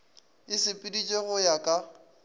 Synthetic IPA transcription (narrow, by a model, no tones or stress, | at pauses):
ɪsɪpʼɪdit͡ʃʼeɣʊjakʼa